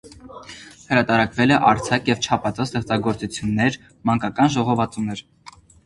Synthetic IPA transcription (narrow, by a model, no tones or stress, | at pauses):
həɾɑt̪ɑɾɑkvɛlɛʔɑɾt͡sʰɑkjɛvt͡ʃʰɑpʰɑt͡sɑst̪ɛχt͡sɑɡɔɾt͡sut͡sʰjunːɛɾ | mɑŋkɑkɑnʒɔʁɔvɑt͡sumnɛɾ